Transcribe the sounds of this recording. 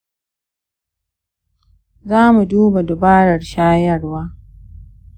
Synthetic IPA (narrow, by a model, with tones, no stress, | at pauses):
zaː˦mu˨duː˦ba˨dɔ˨baː˦ɽɐ˨ɽʃaː˦jɐ˦˨ɽwaː˦